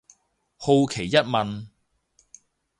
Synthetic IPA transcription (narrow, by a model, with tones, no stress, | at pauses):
ho˧wkʰe˨˩jːɐ˥t̚mɐ˨n